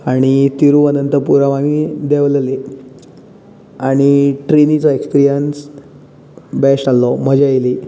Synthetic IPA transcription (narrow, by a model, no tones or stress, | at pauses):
aɽ̃it̪iɾuənənt̪əpuɾaʋamid̪eʋlle | aɽ̃iʈɾinit͡sɔekspiɾijəns | bɛsʈalːɔm̤əd͡ʑejli